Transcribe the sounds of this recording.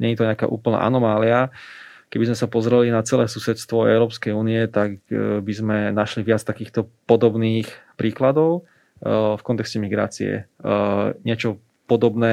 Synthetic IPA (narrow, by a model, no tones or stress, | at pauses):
ɲɛɲit̪ɔɲɪaka̰ːʔṵːpl̩na̰ʔa̰nɔmaːlia | kɛbizmɛsapɔzɾɛlinat͡sɛlɛːsusɛt̪t͡sst̪ʋɔɛ̰ʊɾɔːpskɛjuːniɛt̪akbizmɛnaʃliʋɪat͡st̪akiːxt̪ɔpɔd̪ɔbniːxpɾiːklad̪ɔʊ | fkɔnt̪ɛkscɛmiɡɾa̰ːt͡sḭɛ̰ | ɲɪɛt͡ʃɔ | pɔd̪ɔbnɛː